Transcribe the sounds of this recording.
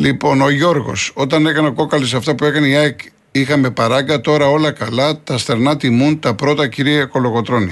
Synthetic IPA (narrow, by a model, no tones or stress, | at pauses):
lipo̞no̞ʝo̞ɾɣo̞̰so̞t̪ɐne̞kɐneo̞ko̞kɐlis̬ɐft̪ɐpue̞kɐneiɐk | ixɐme̞pɐɾɐɡɐt̪o̞ɾɐo̞lɐkɐlɐt̪ɐst̪e̞ɾnɐt̪imunt̪ɐpɾo̞t̪ɐciɾieko̞lo̞ɣo̞t̪ɾo̞ni